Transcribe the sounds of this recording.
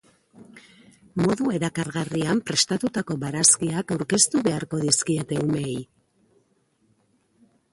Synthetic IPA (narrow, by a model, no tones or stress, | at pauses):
mo̞ðue̞ɾakaɾɣariampɾe̞st̪at̪ut̪ako̞βaɾaskiakawɾke̞st̪uβe̞aɾko̞ðiskie̞t̪e̞ume̞j